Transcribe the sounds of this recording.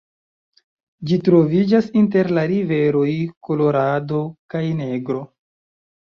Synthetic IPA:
d͡ʒitɾo̞vid͡ʒasinte̞ɾlaɾive̞ɾo̞jko̞lo̞ɾado̞kajne̞ɡɾo̞

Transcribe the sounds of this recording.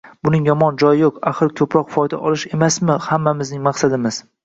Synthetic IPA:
bʊnɪŋjɒmɒnd͡ʒɒjɪjoqaχɨɾkʲʰɵpɾɒqfɒjd̪a̰ʔɒlˠɪʃe̞masmɪhamːamɪznɪŋmaqsad̪ɪmɪz̥

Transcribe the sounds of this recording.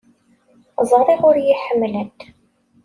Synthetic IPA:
zˤɾˤiʁʊɾjiħəmːlæd̪

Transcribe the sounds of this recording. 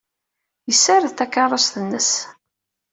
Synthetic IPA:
jəsːaɾðθækːɑrˤosθənːəs

